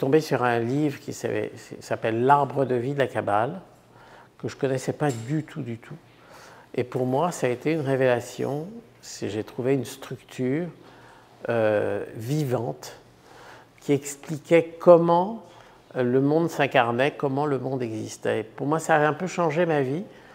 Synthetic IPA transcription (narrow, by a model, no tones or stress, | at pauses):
t̪ɔ̃besyʁɛ̃livʁəkʲisɛ̰ɛ̰ssapɛlːaʁbʁəd̪əvid̪əlakabal | kəʒəkɔnɛsɛpad̪yt̪ʰud̪yt̪ʰu | epuʁmwasaet̪eynʁevelasjɔ̰̃ | seʒet̪χuveynst̪χykt̪ʰyːʁ | øvivɑ̃t̪ | kʲiɛksplikʲɛkɔmɑ̃ | ləmɔ̃d̪sɛ̃kaʁnɛkɔmɑ̃ləmɔ̃d̪ɛɡzist̪ɛ̰puʁmwasaːɛ̃pøʃɑ̃ʒemavi